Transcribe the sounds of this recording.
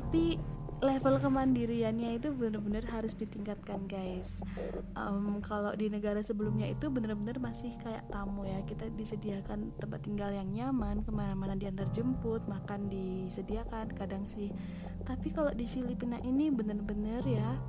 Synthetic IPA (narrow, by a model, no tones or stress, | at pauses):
t̪api | lefəlkəmandiɾianjait̪ubənərbənərɦaɾʊsdit̪iŋkat̪̚kanɡajsʔəmkalodinəɡaɾasəbəlumɲait̪ubənərbənərmasɪhkaja̰ʔt̪amujakit̪adisədiakant̪əmpat̪ːiŋɡaljaŋɲamankəmanamanadiant̪ərd͡ʒəmpʊt̪̚makandisədiakankadaŋsɪh | t̪apikalodifilipinaʔinibənərbənərja